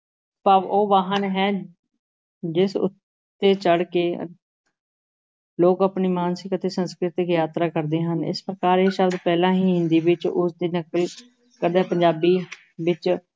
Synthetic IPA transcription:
paoːʋaːɦənɦɛː | d͡ʒɪsʊ̰t̪ː | eːt͡ʃəɽkeː | loːkəpniːmaːnsɪkət̪eːsə̃nskɾɪt̪ɪkjaːt̪ɾaːkəɾd̪eːɦənɪ̰spɾəkaːɾeːʃəɾd̪pɛːlãːɦiːɦɪ̃nd̪iːʋɪt͡ʃʊsd̪iːnəkəl | kəɾd̪eɦːpəɲd͡ʒaːbiː | ʋɪt͡ʃ

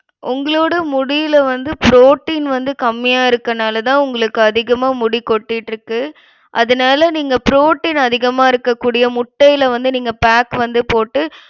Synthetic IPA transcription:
ʔʊŋɡɐɭoːɽɐmʊɽɪjɪlɐʋɐnd̪ɯpɾoːʈːiːnʋɐnd̪ɯkɐmːɪjaːɪɾɯkːɐnaːlɐt̪ãːʊŋɡɐɭɯkːɯɐðɪɣɐmaːmʊɽɪkːɔʈːɪʈːɾɯkːɯ | ʔɐðɐnaːlɐniːŋɡɐpɪɾoːʈːiːnɐðɪɣɐmaːɪɾɯkːɐkːuːɽɪjɐmʊʈːɐjɪlɐʋɐnd̪ɯniːŋɡɐpaːkʋɐnd̪ɯpoːʈːɯ

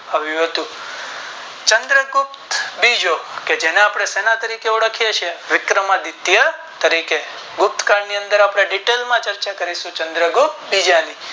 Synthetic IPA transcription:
aʋjũɦət̪ũ | t͡ʃənd̪ɾəɡʊp̚t̪bid͡ʒoked͡ʒeneapɽ̃esenat̪əɾikeuɽəkʰijet͡ʃʰeʋɪkɾəmãd̪it̪ja | t̪əɾike | ɡʊp̚t̪kaɖniə̃nd̪əɾapɽ̃aɖiʈelmãt͡ʃəɾt͡ʃakəɾiʃũt͡ʃənd̪ɾəɡup̚t̪bid͡ʒani

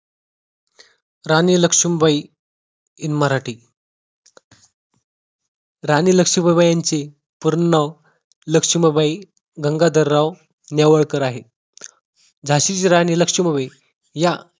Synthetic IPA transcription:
ɾaniləkʂimbai | inməɾaʈiː | ɾaniːləkʂibəbəjant͡se | puɾnəw | ləkʂiməbai | ɡəŋɡad̪əɾːaw | njaʋəɭkəɾaɦe | d͡zʱaɕiːt͡ɕɾaniləkʂiməbaj | ja

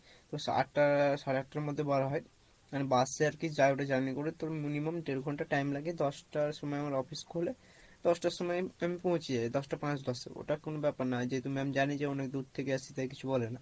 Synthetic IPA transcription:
t̪osa̰ʈʈaʃaɾeaʈ̚ʈːaɾmod̪ʱːebaɾaɦɔj | anibaseaɾkid͡ʑaeoʈad͡ʑaɾmikoɾet̪oɾminimamʈeɾɡʱɔɳʈaʈajmlaɡed̪ɔsʈaɾʃɔmɔeamaɾɔfiskʰole | d̪̥ɔsʈaʃɔmɔjamipɔ̃ɦũt͡ɕʰiajd̪ɔsʈapãt͡ɕd̪ɔsḛo̰ʈakonobɛpaɾnad͡ʑet̪umiamid͡ʑaned͡ʑeɔnekd̪ud̪̚t̪ʰekeasʰit̪aeki̥t͡ɕʰubɔlena

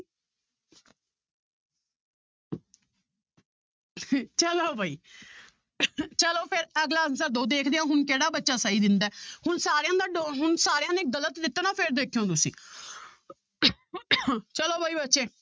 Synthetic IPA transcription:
t͡ʃəloːbʱaːiː | t͡ʃəloːpʰɪɾəɡlaːənsəɾd̪oːd̪eːkʰd̪eːãːɦʊnkeːɽaːbətːʃaːsaːiːd̪ɪnd̪aːhʊnsaːɾejãːd̪aːɖoɦʊnsaːɾejãːneːɡələt̪d̪ɪt̪ːnaːpʰɪɾd̪eːkʰijõːt̪ʊsḭ̃ː | t͡ʃəloːbʱaːiːbətːʃeː

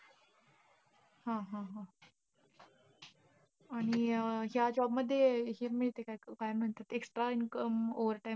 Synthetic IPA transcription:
hãɦãɦã | aɽ̃iɦjad͡ʒɔːbməd̪ʱːjeɦiɾmədt̪ekajkaːjəmnəɦənt̪at̪eksʈɾainkəmoʋəɾʈa

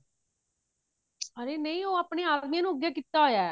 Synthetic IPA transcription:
əɾeːnəĩːoːaːpɳeːaːd̪miːãːnũːəɡjaːkit̪ːaːɦojaː

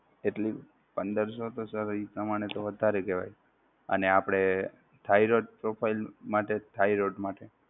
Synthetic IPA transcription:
eʈli | pənd̪əɾsot̪osəɾipɾəmaɳ̃et̪oʋəd̪ʱaɾekeʋa̰j | ə̰neapɽ̃e | t̪ʰaiɾoɖ̚pɾopʰailmaʈet̪ʰaiɾoɖmaʈe

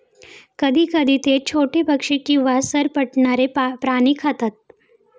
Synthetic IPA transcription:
kəd̪ʱiːkəd̪ʱiːt̪et͡ɕʰoʈepəkʂikiʋasəɾpəʈɳaɾepɾaniːkʰət̪at̪̚

